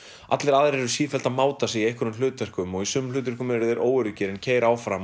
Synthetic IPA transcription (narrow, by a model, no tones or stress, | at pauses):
at̪lɛɾaːðɾɛɾʏsiːfɛl̥t̪amaːwt̪asɪiejhkʏɾʏml̥ʏːt̪vɛr̥kʏmɔɣisʏːmlʏːt̪̬ɛrkʏmɛɾɪðɛɾʔoːwʏɾʏcɪːɾɪncʰeːjɾaːwfɾam